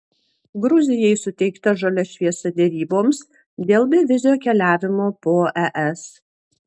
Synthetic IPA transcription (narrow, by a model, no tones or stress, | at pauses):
ɡɾʊzʲɪjɛɪsʊt̪ʲɛɪkt̪ɐʒɐlʲɛʃʲʋʲiɛsɐd̪ʲɛɾʲiːboːms | d̪ʲeːlˠbʲɪʋʲɪzʲɪjoːkʲɛlʲæːʋʲɪmoːpoːʔɛʔɛs